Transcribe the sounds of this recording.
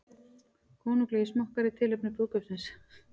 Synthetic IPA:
kʰɔːnuŋklɛjismɔhkaɾɪt̪ʰɪːlɪpnʏpʏɣkœpsɪns

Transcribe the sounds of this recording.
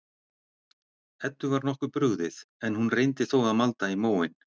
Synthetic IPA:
ɛt̪ːʏvaɾnɔhkʏɾpɾʏɣðɪθɛnhunrejnt̪ɪθɔːwɣaðmalt̪aimoːwɪn

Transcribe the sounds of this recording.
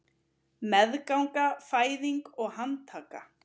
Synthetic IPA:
mɛðkawŋkafaːjðiŋkɔɣhant̪ʰaːka̰

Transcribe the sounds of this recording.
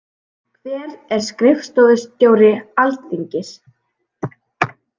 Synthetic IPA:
kʰv̥ɛːɾɛɾ̥skɾɪfst̪ɔwðʏst̪joːwɾɪalt̪θiɲcɪs

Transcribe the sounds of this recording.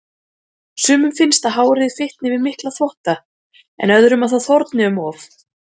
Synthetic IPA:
sʏːmʏmfɪnst̪aɦaːwɾɪðɪfɪht̪nɪvɪðmɪhklaθvɔht̪a | ɛ̰nœðɾʏmaθaθɔɾt̪nɪʏmɔːf

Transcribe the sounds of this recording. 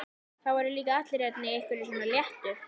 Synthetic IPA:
θawvaɾɪliːkaaht̪lɪɾjɛt̪nɪejhkvɪɾɪsɔːnaljɛht̪ʏɾ

